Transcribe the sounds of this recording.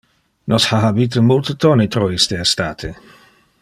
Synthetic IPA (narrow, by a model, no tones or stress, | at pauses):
nʔɔshaɦabiːt̪̬omult̪ət̪onit̪ɾoist̪eest̪aːt̪ʰe